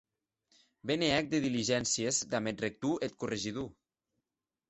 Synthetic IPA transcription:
beneɛk̚d̪eðiliʒɛnsiezd̪amet̪̚rek̚t̪uʔet̪̚kureʒiðu

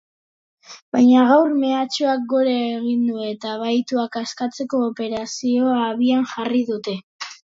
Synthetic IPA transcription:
bajɲaɣ̞awɾme̞at͡ʃoak̚ɡoɾeːɣind̪ue̞t̪aβajt̪uakaskat͡se̞ko̞ːpe̞ɾasio̞aːβianʝariðut̪e̞

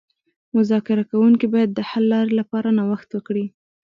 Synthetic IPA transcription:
mʊzɑkɪɾakawuŋkibɑjad̪ːəhalːɑɾilapɑɾanawaxt̪wəkɽi

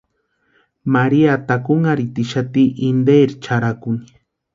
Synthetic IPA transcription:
maɾiat̪akuŋaɾit̪iʃat̪iʔind̪eɾt͡ʃaɾakʊni̥

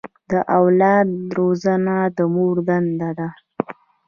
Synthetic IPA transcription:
d̪əʔawlɑd̪ɾozanad̪əmoɾd̪and̪ad̪a

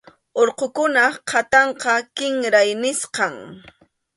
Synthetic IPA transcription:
oɾqokʊnaqʰat̪ɑɴqɑkɪŋɾajnɪsqɑŋ

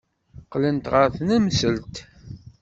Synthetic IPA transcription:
qlənt̪ʁəɾθnæmsəlt̪

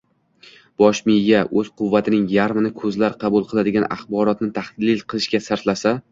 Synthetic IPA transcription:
b̥ɒʃmɪjjaʔɵz̥qʰʊvːat̪ʰɪnɪŋjaɾmɪnɪkʰɵzlaɾqʰɑbulˠqʰɨlˠad̪ɪɡʲana̰χbɒɾɒt̪nɪt̪ʰahlɪlqʰɨlˠɪʃkʲasaɾt̪lasa

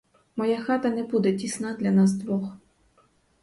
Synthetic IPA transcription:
mɔjaxɑt̪ɐnɛbud̪ɛtʲisnɑd̪lʲɐnɑsd̪ʋɔx

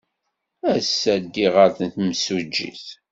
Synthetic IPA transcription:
æsːæɡiʁəɾθənt̪msud͡ʒːḭθ

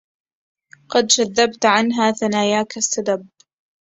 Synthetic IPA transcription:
qɑd̪d͡ʒaðːabt̪ʕanɦaːθanaːjaːkasːad̪ab̚

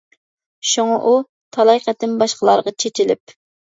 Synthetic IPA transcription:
ʃuŋɑʔu | t̪ʰɑlˠɑjqɛt̪ːɪmbɑʃqəlˠɑ̰ɾʁɑt͡ʃʰet͡ʃɪlɪp̚

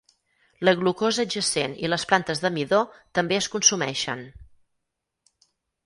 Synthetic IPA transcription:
ləɣlukozəd͡ʒəsenḭləsplant̪əzðəmiðot̪əmbeəskunsumɛ̰ʃə̰n

